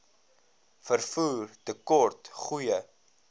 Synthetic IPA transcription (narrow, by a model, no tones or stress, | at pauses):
fərfuːrtəkɔrtχujə